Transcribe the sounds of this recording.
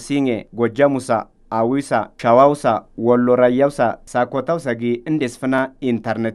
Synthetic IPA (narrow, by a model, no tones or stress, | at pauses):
siŋɛɡɔd͡ʒɐmʊsa̰ | awʊwsa̰ʃɐwawʊsawɔlːɔɾɐjːawsa̰sakɔt̪awsɐɡɪɪnd̪ɛsfɪnaɪnt̪ɐɾnɛt̪